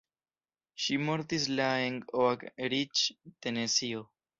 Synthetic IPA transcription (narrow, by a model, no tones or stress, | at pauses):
ʃimoɾt̪islaeŋɡoakɾit͡ʃt̪enesio